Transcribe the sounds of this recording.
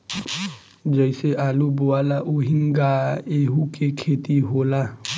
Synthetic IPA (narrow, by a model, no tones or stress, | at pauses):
d͡ʒəɪseʔaːluboaːlaʔuɦɪŋɡaeɦukekʰeːt̪iɦoːla